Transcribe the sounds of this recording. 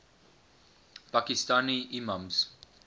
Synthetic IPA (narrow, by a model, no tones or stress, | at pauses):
pakistaniʔimamz